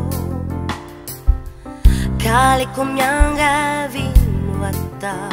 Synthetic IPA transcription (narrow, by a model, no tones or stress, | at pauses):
kalekomjaŋɡavinuat̪ːa